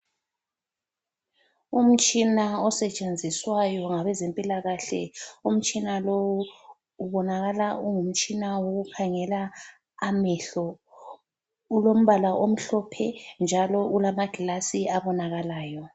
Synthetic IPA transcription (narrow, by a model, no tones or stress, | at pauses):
um̩t͡ʃʼinaɔsɛt͡ʃʼend͡zʱiswajɔŋaβɛzempʼilaɣaɬɛ̰um̩t͡ʃʼinalowuː | βɔnaɣalauŋum̩t͡ʃʼinawoɣukʰaŋɛlaː | mɛɬɔ | ulom̩βalaʔom̩ɬɔpʰɛnd͡ʒʱalɔulamaɡ̥ʱilasiaβɔnaɣalaːjɔ